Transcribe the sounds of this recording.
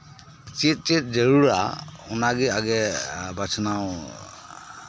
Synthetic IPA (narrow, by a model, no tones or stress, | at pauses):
t͡ʃit̪̚t͡ʃit̪̚d͡ʒəɹuɹaʊnaɡiaɡɛbat͡ʃʰnaw